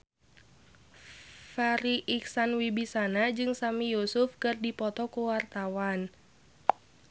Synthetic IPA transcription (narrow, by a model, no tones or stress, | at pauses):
faɾiʔiksanwibisanad͡ʒɨŋsamijusʊfkɨrdipɔt̪ɔkuwart̪awan